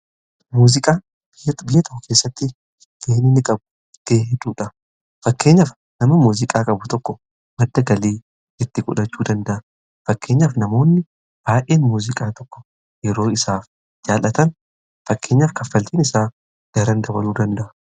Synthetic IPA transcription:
muːzɪkʼaː | b̥ɪjbɪjɐt̪ɔkːʊkʰeːsːɐt̪ːɪ | d̪̥eːnɪnːɪkʼɐbʊ̥ | d̪̥eːɦɛd̪uːᶑɐ | fɐkːe̞ːɲːɐf | nɐmɐmuːzɪkʼaːkʼɐbʊt̪ɔkːɔ | mɐd̪ːɐɡɐliː | ɛt̪ːɪkʼʊ̰ᶑɐt͡ʃːuːd̪ɐnd̪ɐʔɐ | fɐkːe̞ːɲːaːfnɐmo̞ːnːɪ | b̥aːʔeːnmuːzɪkʼaːt̪ɔkːɔ̥ | jɛɾo̞ːɪsaːf | d͡ʒaːlɐt̪ɐn | fɐkːe̞ːɲːaːfkɐfːɐlt̪iːnɪsaːf | ɡ̪̥ɐɾɐnd̪ɐbɐluːd̪ɐnd̪ɐʔɐ

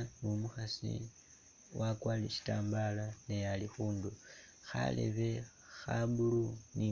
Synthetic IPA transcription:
mumuxasḭ | wʔakwalleʃi̥taːmbalanejalixuːndu | xa̰lḛβe | xabuluni

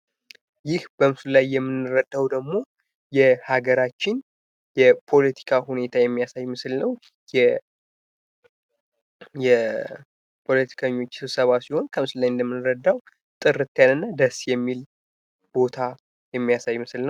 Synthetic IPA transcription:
jɪhbəmɨsɨllajːɛmːɨnːɨɾəd̪ːawd̪əɡmo̞ | jɛhaɡəɾat͡ʃːɪn | jɛpʰo̞lət̪ʰi̥kʰahune̞t̪ʰajɛmːijasajmɨsɨlnəw | jɛ | jɛ | pʰo̞lət̪ʰi̥kʰəɲːo̞t͡ʃːsɨβsəβasiho̞nkʰəmɨsɨllajɨnd̪əmːɨnːɨɾəd̪ːaw | t̪ʼɨɾːɨt̪ːjanɨnːad̪əsjɛmːil | b̥o̞t̪ʰa | jɛmːijasajmɨsɨlnəw

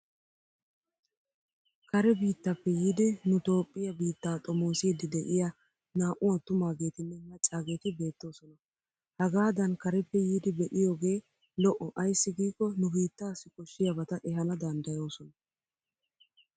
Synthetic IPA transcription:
kɐɾɛbiːt̪ːɐpːɛjiːd̪ɪnʊt̪o̞ːpʼːɪjɐbiːt̪ːaːt̪ʼɔmoːsiːd̪ɪd̪ɛʔɪja | naːʔʊwɐt̪ʊmaːɡe̞ːt̪ɪnːɛmɐt͡ʃʼːaːɡe̞ːt̪ɪbe̞ːt̪ːo̞ːsɔnɐ | hɐɡaːd̪ɐnkɐɾɛpːɛjiːd̪ɪbɛʔɪjo̞ːɡe̞ː | lɔʔɔʔɐjsːɪɡiːkːɔnʊbiːt̪ːaːsɪkɔʃːɪjɐbɐt̪ɐʔɛɦɐnɐd̪ɐnd̪ɐjo̞ːsɔnɐ

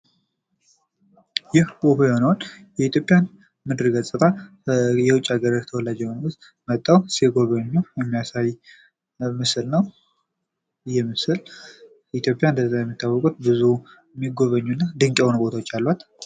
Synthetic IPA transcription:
jɪhbopeonwonjɛit̪ʰjo̞pʼjan | mɨd̪ɾɨɡəsʼɨt̪ʰa | jɛwʊt͡ʃʼːaɡəɾəɾt̪ʰəwɔlad͡ʒɛwnus | mət̪ʼːawseɡo̞βəɲːujɛmːijasaj | mɨsɨlnəw | ɨjɛmɨsɨl | it̪ʰjo̞pʼjaɨnd̪əzːajɛmːit̪ːawːɔkʼut̪̚bɨzu | mːiɡo̞βəɲːunːad̪ɨŋkʼɛonbo̞t̪ʰawot͡ʃːalːat̪

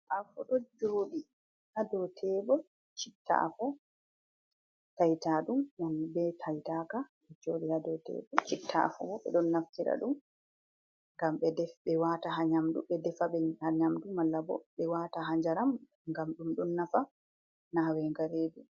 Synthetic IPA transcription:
ʔafɔɗɔd͡ʒoːɗi | hadɔtʰɛbɔ | t͡ʃitːa̰fɔ | tajtaɗumwanbɛtʰajtaka | ɛd͡ʒoːɗihadɔtɛ̰bɔt͡ʃitʰːa̰fɔ̰wɔɓɛ̰ɗɔnːaftiɾa̰ɗum | ŋɡamɓɛdɛfɓɛwataɦaɲamduɓɛdɛfaɓɛhaɲamdumalːabɔ̰ɓɛwataɦaɲd͡ʒaɾam | ŋɡamɗumɗɔnːafa | nawɛŋɡaɾeːdu

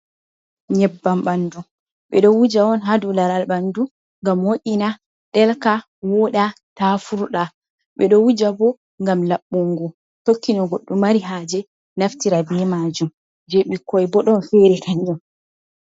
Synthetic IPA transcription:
ɲɛbːamɓandum | ɓɛ̰ɗɔwud͡ʒawɔnɦadulaɾalɓandu | ŋɡamwoʔʲina | ɗɛlka | wɔɗa | tafuɾɗa | ɓɛɗɔwud͡ʒabɔ | ŋɡamlaɓːuŋɡu | tokːinɔɡoɗːumaɾiɦad͡ʒɛ | naftiɾabɛmaːd͡ʒum | d͡ʒeɓikʰːɔjbɔɗɔnfɛɾɛkaɲd͡ʒɔm

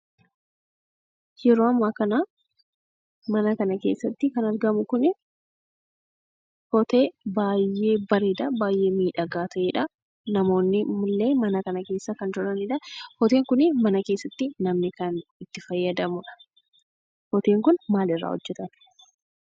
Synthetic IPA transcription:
jɛɾoːɐmːaːkɐnɐ | mɐnɐkɐnɐke̞̰ːsːɐt̪ːɪkɐnɐɾɡɐmʊkʊnɪ | hɔt̪eːbaːjːe̞ːbɐɾeːᶑ̪ɐbaːjʔe̞ːmiːᶑɐɡaːt̪ʰɐʔeːᶑɐ | nɐmo̞ːnːɪmʊlːe̞ːmɐnɐkɐnɐke̞ːsːɐkɐnd͡ʒʊɾɐnɪᶑɐhɔt̪e̞ːŋkʊnɪmɐnɐke̞ːsːɐt̪ːɪnɐmnɪkɐnɪt̪ːɪfɐjːɐd̪ɐmʊᶑɐ̥ | hɔt̪eːŋkʊnmaːlɪrːa̰ːhɔ̰d͡ʒːɛt̪ɐt̪ɪ̥

